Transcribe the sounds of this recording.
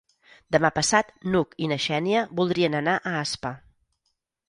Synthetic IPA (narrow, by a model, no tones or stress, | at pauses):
d̪əmapəsat̪nukinəʃɛniəbulˠd̪ɾiənənaʔəaspə